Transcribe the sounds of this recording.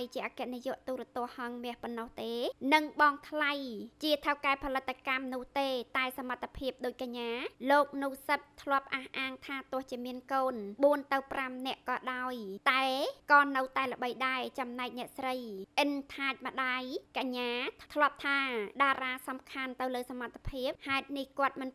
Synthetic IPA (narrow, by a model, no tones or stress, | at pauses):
jt͡ɕiəʔaːkɛ̆ʔnijŏəʔt̪uːɾɛ̆ət̪ʊ̆əhhɑŋmɛ̆əhponːɑht̪eːnɨŋɓɑːŋt̪ʰlajt͡ɕiət̪ʰəwkaɛpʰɑlɨt̪ʰːakamnʊ̆əht̪eːt̪aɛsamat̪ʰːapʰiəp̚ɗoːc̚kaɲːaːloːk̚nuːsəp̪̚t̪ʰlŏəp̚ʔaːhʔaːŋt̪ʰaːt̪ŏəht͡ɕiəmiənkoːnɓuənt̪ɨwpramnɛ̆əʔkɑːɗaɔjt̪aɛkɑːnɨwt̪aɛlə̆ɓəjɗaɛt͡ɕɑmnaɛk̚nɛ̆əʔsrəjʔɨnt̪ʰaːc̚mə̆ɗaːjkaɲːaːt̪ʰlŏəp̚t̪ʰaːɗaːɾaːsɑmkʰant̪ɨwləːsamat̪ʰːḁpʰiəp̚haɛt̪̚nihkŏət̪̚mɨn